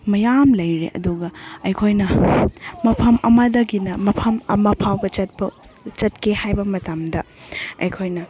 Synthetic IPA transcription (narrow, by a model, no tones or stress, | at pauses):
mɐjamlɐjɾḛʔɐ̰duɡɐɐjkʰojnɐ | mɐpʰɐmɐmɐdɐɡinɐmɐpʰɐmɐmɐpʰawbɐt͡ʃɐt̚bɐ | t͡ʃɐtkʰehajbɐmɐtɐmdɐɐ̰jkʰojnɐ